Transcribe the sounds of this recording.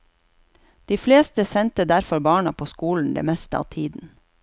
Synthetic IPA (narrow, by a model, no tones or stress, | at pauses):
d̪̥iːfleːst̪əsɛnt̪əd̪æɾfɔɾbɑːɳɑpʰoːskuːln̩d̪ḛːmɛst̪əɑ̰ːʋt̪ʰiːd̪n̩